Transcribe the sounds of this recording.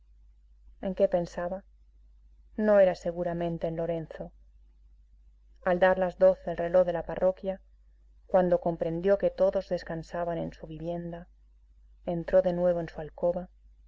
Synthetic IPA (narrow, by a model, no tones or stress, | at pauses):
e̞ŋke̞pe̞nsaβa | no̞e̞ɾase̞ɣuɾamẽnt̪e̞ːnlo̞ɾe̞nθo̞ | ald̪aɾlazðo̞θelre̞lo̞ɣðe̞laparo̞kja | kwand̪o̞ko̞mpɾe̞nd̪jo̞ke̞t̪o̞ðo̞zðe̞skansaβane̞nsuβiβje̞nd̪a | e̞nt̪ɾo̞ðe̞nwe̞β̞o̞e̞nsualko̞βa